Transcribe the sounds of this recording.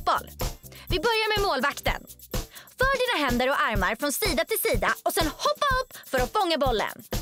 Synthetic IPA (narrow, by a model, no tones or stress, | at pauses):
bɔ̰lvɪbœɾjaɾmɛmoːlvakt̪ə̰n | fœːɖiːnaɦɛnd̪əɾɔaɾmaɾfɾɔnsiːd̪at̪ʰɪlsiːd̪aɔsɛnhɔpːaɵpːfœɾɔfɔŋːabɔlːə̰n